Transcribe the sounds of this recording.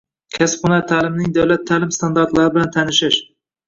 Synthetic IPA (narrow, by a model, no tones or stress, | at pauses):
kʲʰasqʊnat̪ʰalɪmnɪŋd̪awlat̪ʰːalɪmst̪ʰand̪aɾt̪laɾɪbɪlant̪ʰanɪʃɪʃ